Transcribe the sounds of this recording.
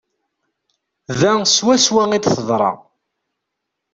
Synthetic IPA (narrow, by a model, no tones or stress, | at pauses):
ðæswæswæŋid̪θəðˤɾˤɑ̰